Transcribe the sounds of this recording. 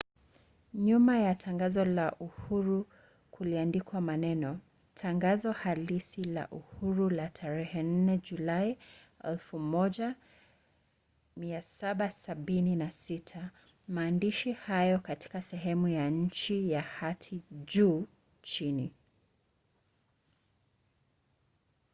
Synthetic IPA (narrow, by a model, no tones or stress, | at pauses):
ɲumajatʰaŋɡazɔlaʔuhuɾu | kʰuliandikwamanɛnɔ | tʰaŋɡazɔhalisila̰ʔuhuɾulatʰaɾɛhɛn̩nɛʄulai | ɛ̰lfumɔʄa | miasaɓasaɓininasitʰa | maːndiʃihajɔkati̥kasɛɦɛmujaɲ̩t͡ʃijahatʰiʄuː | t͡ʃini